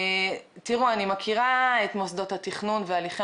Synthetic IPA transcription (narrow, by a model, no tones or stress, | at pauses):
tiʁuanimakʰiʁaetmosdo̞thatiχnunvealiχ